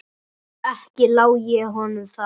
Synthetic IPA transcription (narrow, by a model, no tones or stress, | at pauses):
ɛhcɪlawjɛɦɔnʏmθa